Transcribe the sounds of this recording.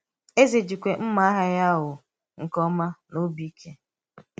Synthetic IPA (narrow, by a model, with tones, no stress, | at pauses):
e˦ze˨d͡ʒi˨kʷe˨m̩˦ma˦a˦ɦa˦ja˦ɦʊ˨ | ŋ̩˨kɔ˦ma˦no˦bi˦kʰe˦